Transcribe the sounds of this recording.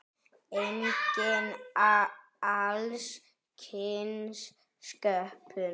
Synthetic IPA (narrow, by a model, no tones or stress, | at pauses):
eŋcɪna | als | kʰɪnsː | kœhpʰʏ